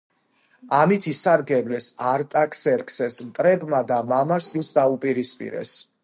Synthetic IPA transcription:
amit̪ʰisaɾɡɛblɛsaɾt̪ʼakʰsɛɾkʰsɛsmt̪ʼɾɛbmad̪amamaʃt̪ʼinsd̪aupʼiɾispʼḭɾɛ̰s

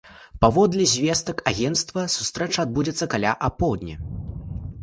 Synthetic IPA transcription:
pavɔd̪lʲizʲvʲɛst̪ɐkaɣʲɛnt̪st̪vɐsu̥st̪ɾɛt͡ʂɐːd̪̚bud͡zʲɛt̪sːɐkalʲaʔapɔwd̪ʲnʲɐ

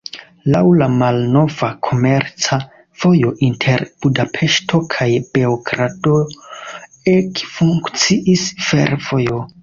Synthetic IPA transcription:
lawlamalno̞vakʰo̞me̞ɾt͡sa | v̥o̞jo̞ʔintʰe̞ɾb̥udapʰe̞ʃtʰo̞kʰajb̥eokɾato̞ | ekfuŋkt͡siʔisfe̞̰ɾvo̞jo̞

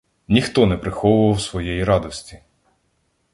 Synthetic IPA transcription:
nʲixt̪ɔnɛpɾɪxɔʋʊʋɐwsʋɔjɛjiɾɑd̪ɔsʲtʲi̥

